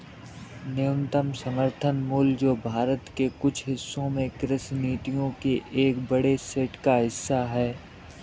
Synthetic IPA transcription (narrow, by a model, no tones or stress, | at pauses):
nɪjʊ̃nt̪əmsəməɾt̪ʰənmuːld͡ʒoːbʱaːɾət̪kekʊt͡ʃʰɦɪsːõmẽkɾɪsniːt̪ijõkeʔeːkbəɽeseːʈkaɦɪsːaɦɛː